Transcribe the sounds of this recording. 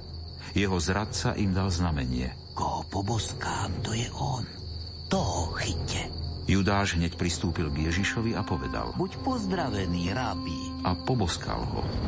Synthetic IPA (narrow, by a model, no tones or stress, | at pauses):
jɛɦɔzɾat̪sa̰ʔimd̪alznamɛɲɪɛ̰ | kɔɦɔpɔbɔskaːmt̪ɔjɛʔɔn | t̪ɔɦɔxicːɛjud̪aːʒɦɲɛcpɾist̪uːpilɡjɛʒiʃɔʋiapɔʋɛd̪a̰lbucpɔzd̪ɾaʋɛniːɾabi | ʔapɔbɔskʰa̰lɦɔ̰